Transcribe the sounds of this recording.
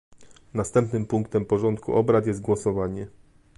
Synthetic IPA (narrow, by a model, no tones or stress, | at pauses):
nast̪ɛmpnɘmpuŋkt̪ɛmpɔʐɔnt̪kʰṵʔɔbɾat̪jɛzt̪̚ɡwɔsɔvaɲɛ